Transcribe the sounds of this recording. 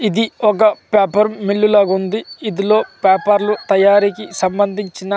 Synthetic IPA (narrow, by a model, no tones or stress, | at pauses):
id̪iɔk̬ɐpaːpɐɾmilːulɐːɡund̪iːd̪ilo̞ːpaːpɐɾlut̪ɐjaːɾikisɐmbɐnd̪ʱiɲt͡ʃinɐ